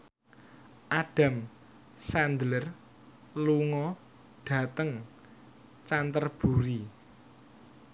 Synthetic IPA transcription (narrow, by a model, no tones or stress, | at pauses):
ʔaɖ̥a̤m | sand̪lər | luŋɔ | ɖ̥ä̤t̪əŋ | t͡ʃant̪ərb̥uɾi